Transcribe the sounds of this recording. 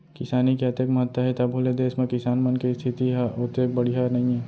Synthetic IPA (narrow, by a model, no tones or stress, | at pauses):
kɪsaːnikeɐt̪eːkmɐɦət̪wəɦɛt̪ɐbʱoːled̪eːsmẽkɪsaːnmɐnkist̪ʰɪt̪iɦaʊt̪eːk̚bɐɽ̤iɦanɐɦĩɦɛː